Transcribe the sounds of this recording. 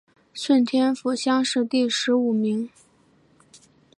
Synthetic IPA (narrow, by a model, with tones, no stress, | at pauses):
ʂwə˥˩nt̪ʰjɛ˥nfu˨˩ɕjɑ˥ŋʂɻ̩˥˧t̪i˥˩ʂɻ̩˧˥u˨˩mi˧˥ŋ